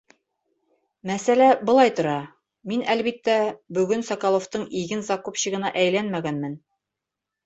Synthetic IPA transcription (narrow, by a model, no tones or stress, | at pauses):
mæsælæbŏlˠɑjt̪ŏɾɑ | minælbit̪ːæbɵ̆ɡɵnsɑkɑlˠoft̪ɤɴiɡɘnzɑkopɕiʁɤ̆nɑʔæjlænmæɡænmɘn